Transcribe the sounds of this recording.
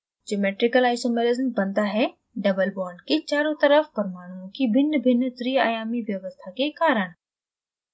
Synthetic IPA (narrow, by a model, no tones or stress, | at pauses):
d͡ʒemeːʈɾɪkəlaːɪʃəmelɪzəmbɐ̃nd̪aɦɛ | ɖɐbəlbɔːɾɳɖkit͡ɕaːɾõt̪ɐɾəfpɐɾmaːɽ̃ũõkibʱɪnːbʱɪnt̪ɾiaːjaːmiʋjɐʋəst̪ʰakekaːɾəɽ̃